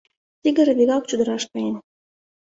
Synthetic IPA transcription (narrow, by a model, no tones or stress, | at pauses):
t̪ʲiɡʲə̆ɾbʲiɣɑk̚t͡ɕud̪ə̆ɾɑʃkɑjen